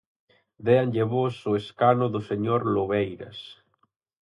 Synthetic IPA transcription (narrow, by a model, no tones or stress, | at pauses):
d̪eanʎeβosʊeskanʊðʊseɲoɾloβejɾɐ̰s